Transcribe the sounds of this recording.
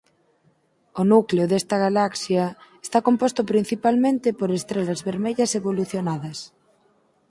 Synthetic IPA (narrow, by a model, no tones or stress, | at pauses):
onukleoðɛst̪ɐɣalaksjɐest̪akompost̪ʊpɾin̟θipalmẽnt̪ɪpoɾest̪ɾelɐzβeɾmeʎɐseβoluθjonaðɐs